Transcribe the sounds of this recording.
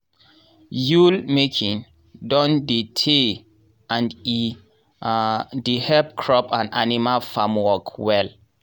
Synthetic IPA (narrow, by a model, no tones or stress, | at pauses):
julmekʰĩn | dɔ̃nditʰe | ãni | dihɛp̚kʰɹɔpʰãnanimalfamwɔkwɛl